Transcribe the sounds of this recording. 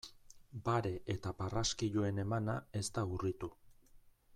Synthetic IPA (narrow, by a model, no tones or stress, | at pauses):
baɾe̞ʔet̪aparaskiʎue̞ne̞manae̞st̪aurit̪u